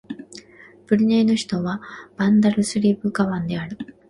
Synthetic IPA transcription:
b̥ɯ̟ɾʲineːno̞çi̥t̪o̞βab̥ãnd̪aɾɯ̟sɨɾʲiːbɯ̟ɡaβãnd̪e̞aɾɯ̟

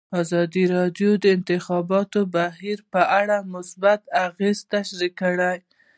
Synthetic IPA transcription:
ɑzɑd̪iɾɑdjod̪əɪnt̪ɪxɑbɑt̪obaɦiɾpəʔaɽamʊsbat̪aɣezt̪aʃɾikəɽaj

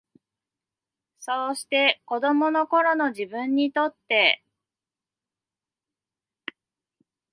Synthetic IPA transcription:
so̞ːɕi̥t̪e̞ko̞d̪o̞mo̞no̞ko̞ɾo̞no̞ʑibɯ̃ɲ̟ːit̪o̞t̪ːe̞

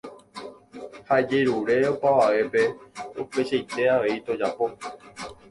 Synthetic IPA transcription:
haed͡ʒeɾuɾe̞opaʋaʋe̞pe̞upe̞ʃejt̪e̞aʋe̞it̪o̞d͡ʒapo̞

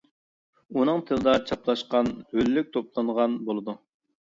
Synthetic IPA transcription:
unɨŋt̪ʰɨlˠɨd̪ɑt͡ʃʰɑplˠɑʃqɑnhøllyk̚ʲt̪ʰoplˠɑɴʁɑnbolˠɨd̪u

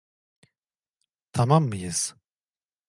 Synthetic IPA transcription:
t̪ʰamamːɯjɯz̥

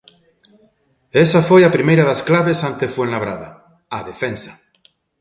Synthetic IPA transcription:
esafwejapɾimejɾaðasklaβe̞sant̪efwenlaβ̞ɾaða | aðefensḁ

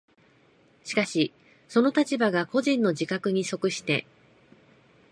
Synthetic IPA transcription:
ɕi̥kaɕi | so̞no̞t̪at͡ɕibaɡako̞ʑĩnːo̞d͡ʑikakɯ̟ɲ̟iso̞kɯ̟ɕi̥t̪e̞̰

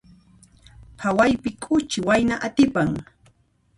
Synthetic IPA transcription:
pʰawajpɪkʼʊt͡ʃɪwajnaʔat̪ɪpaŋ

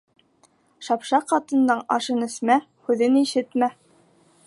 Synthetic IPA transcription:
ʃɑpʃɑqɑt̪ɤ̆nd̪ɑɴɑʃɤnɵ̆smæ | hʉðɘniʃɘt̪mæ

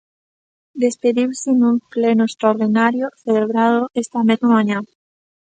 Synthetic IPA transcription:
d̪espeðiwsɪnũmplenʊest̪ɾaoɾðinaɾjʊθeleeβɾaðʊest̪ɐmezmamãɲãŋ

